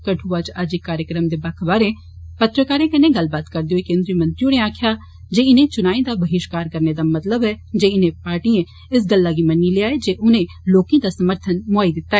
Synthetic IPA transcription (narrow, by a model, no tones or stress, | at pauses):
kəʈʰuʋaːt͡ʃəd͡ʒekːaːɾjəkɾəmd̪eːbaːkʰbaːɾẽ | pət̪ɾəkaːɾẽːkɪnẽɡɐlbaːt̪kəɾd̪eoekẽːnd̪ɾiːəmə̃nt̪ɾionẽaːkʰja | d͡ʒeːɪnẽt͡ʃʊnaːĩd̪abəɦɪʃkaːɾkəɾned̪amɐt̪ləbɦɛd͡ʒeːɪnẽpaːɾʈiẽ | ɪs̬ɡəlːaːɡimɐnːileaːed͡ʒeːʔʊnẽ | loːkẽd̪asəməɾt̪ʰənmʊaːid̪ɪt̪ːaɛː